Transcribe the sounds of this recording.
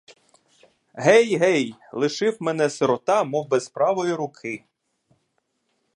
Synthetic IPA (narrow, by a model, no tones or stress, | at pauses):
ɦɛjɦɛjlˠɪʃɪwmenɛseɾɔt̪ɑmɔwbespɾɑʋɔjiɾʊkʰɪ